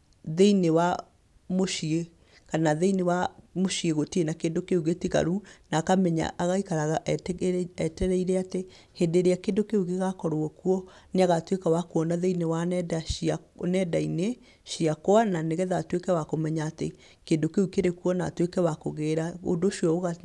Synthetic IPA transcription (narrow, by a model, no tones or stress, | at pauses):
ðeinewa | moʃie | kanaðeinewamoʃieɣotienakeːndokeuɣetiɣa̰ɾunakamɛɲa̰ʔaɣaikaɾaɣaʔ | ɛtɛɾɛiɾeate | hendeɾeakeːndokeuɣeɣakɔɾwɔkuɔneaɣatwekawakuɔnaðeinewanɛdaanɛdaine | ʃiakoananeɣɛðatwekɛwakomɛɲaːtḛ | keːndokeukeɾekuɔna̰twekɛwakoɣeːɾao̰ndoʃiɔoɣa